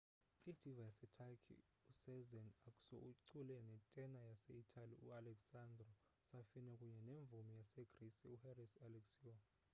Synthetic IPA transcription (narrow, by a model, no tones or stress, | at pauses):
id̥ʱivajasɛtʰakʰḭ | usɛzɛnakʼu̥sɔ̰uǀulɛnɛtʼɛnajaseitʰʼaliṵalɛksandrɔ | safinɛkʼuɲɛneɱb̪vumijasɛɡ̥risiuhɛrisalɛksiɔ